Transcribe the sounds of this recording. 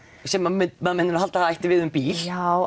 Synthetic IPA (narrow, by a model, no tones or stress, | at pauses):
sɛmammɛðmɛnːɪnahalt̪aθaajht̪ɪvɪðʏmpiːl̥aw